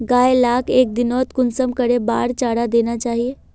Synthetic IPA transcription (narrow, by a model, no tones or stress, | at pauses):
ɡaːelaːkeːk̚d̪ɪnɔːt̪kʊnsəmkɐɾeba̰ːɾt͡ʃaːɽad̪eːnat͡ʃaːɦieː